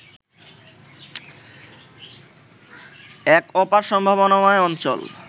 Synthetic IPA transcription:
ɛkɔpaɾʃɔmbʱabonamɔeɔnt͡ɕo̰l

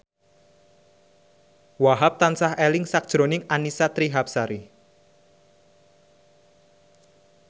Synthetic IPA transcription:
waɦap̚t̪ansahelɪŋsak̚d̥ʒ̥ɾonɪŋanisat̪ɾiɦap̚saɾi

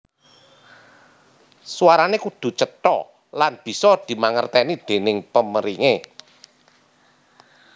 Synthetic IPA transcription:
suwaɾanekud̪̥ṳt͡ʃət̪ɔ̰ | lanb̥i̤sɔd̪̥i̤maŋərt̪ɛnid̪̥e̤nɪŋpəməɾiŋe

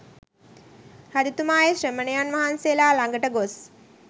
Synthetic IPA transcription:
had̪it̪umaːjeʃrəmənejanʋaɦanselaːlaŋɡəʈəɡos

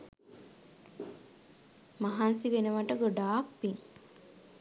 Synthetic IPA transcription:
maɦansiʋenəʋaʈəɡoɖaːk̚piŋ

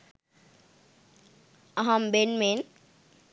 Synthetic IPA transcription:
ʌɦambenmen

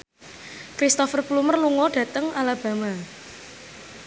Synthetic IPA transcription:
kɾist̪ɔfərplumərluŋɔɖ̥ä̤t̪əŋʔalab̥a̤ma

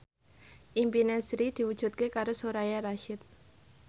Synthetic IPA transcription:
ʔimpinɛsɾid̪̥i̤wud̥ʒ̥ṳt̪̚kekaɾosoɾajaɾaʃɪt̪̚

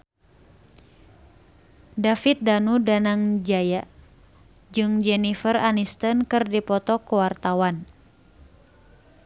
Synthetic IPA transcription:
dafit̪̚danudanaŋd͡ʒaja | d͡ʒɨŋd͡ʒɛnifəranist̪ənkɨrdipɔt̪ɔkuwart̪awan

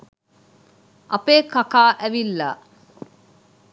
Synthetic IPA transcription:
ʔɐpeːkakaːʔæʋilːa

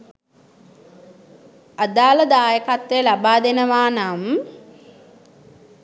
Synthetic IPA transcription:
ad̪aːləd̪aːjəkat̪ʋejəlabaːd̪enəʋaːnam

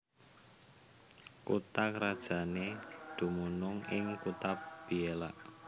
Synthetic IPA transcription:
kut̪akɾad̥ʒ̥a̤ned̪̥ṳmunʊŋɪŋkut̪ap̚b̥ielaʔ

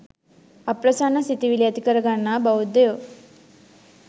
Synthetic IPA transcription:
ɐpɾɐsaːnɐsit̪iʋiliɐt̪ikɐɾɐɡɐɳːabɐud̪ːejo

